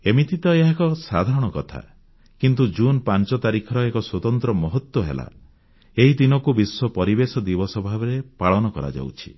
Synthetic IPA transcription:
emit̪it̪ɔeɦakɔsad̪ʱaɾɔɽ̃ɔkɔt̪ʰa̰ | kint̪ud͡ʒunpant͡ʃɔt̪aɾikʰɔɾɔekɔswɔt̪ɔnt̪ɾɔmɔɦɔt̪wɔɦḛla̰ | eɦid̪inɔkubiswɔpɔɾibesɔd̪ibɔsɔbʱabɔɾepaɭɔnɔkɔɾa̰d͡ʒa̰wt͡ʃʰi̥

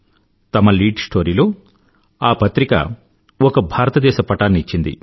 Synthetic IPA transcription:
t̪ɐmɐliːɖsʈʰo̞ːɾilo̞ː | aːpɐt̪ɾikɐ̰ | ɔkɐbʱaːɾɐt̪ɐd̪ɛːʃɐpɐʈaːnːiit͡ʃːind̪ḭ

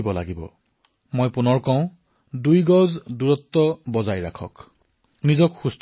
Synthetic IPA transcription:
bɔla̰ɡibɔ̰ | mojpunɔɹkɔʊ̃ | dujɡɔzduɹɔt̪ːɔbɔzajɹakʰɔ̰k | nizɔkxust

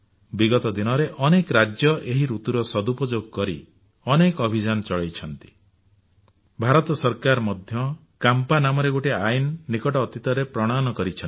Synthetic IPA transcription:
biɡɔt̪ɔd̪inɔɾeʔɔnekɾad͡ʒjɔʔeɦiɾut̪uɾɔsɔd̪upɔd͡ʒoɡ̚kɔɾi | ɔnekɔbʱid͡ʒanɔt͡ʃɔɭejt͡ʃʰɔnt̪i̥ | bʱaɾɔt̪ɔsɔɾkaɾmɔd̪ʱjɔ | kampanamɔɾeɡoʈiajnːikɔʈɔːt̪it̪ɔɾepɾɔɽ̃anɔkɔɾit͡ʃʰɔn

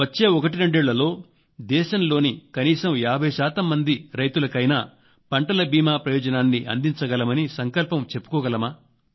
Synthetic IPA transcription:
ʋɐt͡ʃːe̞ːɔkɐʈ̬iɾeɳɖeːɭːɐlo̞ː | d̪ɛːʃɐmlo̞ːnikɐniːsɐmjaːbʱɐjuʃaːt̪ɐmːɐnd̪iɾɐjt̪ulɐkɐjnaː | pɐɳʈɐlɐbiːmaːpɾɐjɔːd͡ʒɐnaːnːiʔɐ̰nd̪iɲt͡ʃɐɡɐlɐmɐnisɐŋkɐlpɐmt͡ʃe̞pːu̥kɔːɡɐlɐmaː

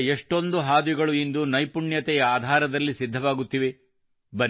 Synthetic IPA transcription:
eʂʈo̞nd̪uɦaːd̪ʋiɡɐɭuind̪unɐjpuɳjɐt̪ɛjɐaːd̪ʱaːɾɐd̪ɐlːisid̪ʱːɐʋaːɡut̪ːiʋe | bɐɾ

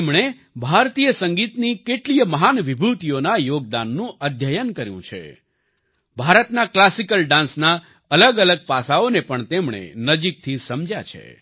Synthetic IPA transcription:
emɳe | bʱaɾt̪ijəsəŋɡit̪nikeʈlijəməɦanʋibʱut̪ijonajoɡ̚d̪anːũəd̪ʱjəjənkəɾjṵ̃t͡ʃʰḛ | bʱaɾət̪naklasikəlɖãnsna | ələɡələɡ̚pasaonepəɳt̪emɳḛnəd͡ʒik̚t̪ʰisəmd͡ʒja̰t͡ʃʰḛ

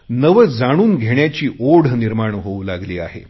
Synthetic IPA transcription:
nəʋəd͡zaɽ̃uːnɡʱeɳjat͡ɕiːʔoɽ̤niɾmaɳɦoulaɡliːaɦḛ

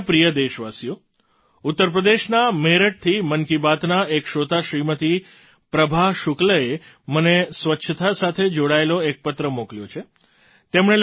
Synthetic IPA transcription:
pɾijəd̪eʃʋasijo | ut̪ːəɾp̬ɾəd̪eʃnameɾəʈ̚t̪ʰimənkibat̪naekʃot̪aʃɾimət̪i | pɾəbʱaɦʃukləe | mənesʋətːʃʰət̪asat̪ʰed͡ʒoɽaeloek̚pət̪ɾəmokljot͡ʃʰe | t̪emɳ̃el

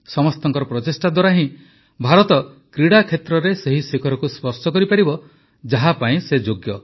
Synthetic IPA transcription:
sɔmɔst̪ɔŋkɔɾɔpɾɔt̪esʈad̪waɾaɦĩ | bʱaɾɔt̪ɔkɾiɽakʰet̪ɾɔɾeseɦisekʰɔɾɔkuspɔɾsɔkɔɾipaɾibɔ | d͡ʒaɦapaĩsed͡ʒoɡjɔ

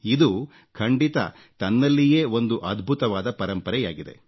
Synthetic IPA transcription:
id̪u | kʰɐɳɖit̪ɐ̰ | t̪ɐnːɐlːijeːo̞nd̪uʔɐd̪bʱut̪ɐʋaːd̪ɐpɐɾɐmpɐɾɛja̰ːɡid̪e̞̰

